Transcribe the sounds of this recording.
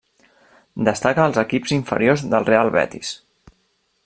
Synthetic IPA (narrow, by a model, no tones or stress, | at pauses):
d̪əst̪akəːlˠzəkipziɱfə̰ɾiozðəlˠrealˠβɛ̰t̪is